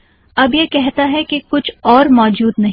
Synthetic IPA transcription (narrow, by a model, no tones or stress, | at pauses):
ɐbjekɛɦt̪aɦɛkekʊt͡ʃʰɔːɾmɔːd͡ʒuːd̪nɐɦ